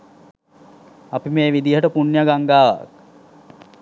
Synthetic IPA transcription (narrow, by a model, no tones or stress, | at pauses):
apimeːʋid̪iɦəʈəpunjaɡaŋɡaːʋa̰k